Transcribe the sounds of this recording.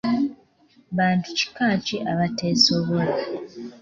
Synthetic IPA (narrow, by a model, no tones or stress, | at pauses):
βaːntuci̥kaːciʔaβateːso̞βola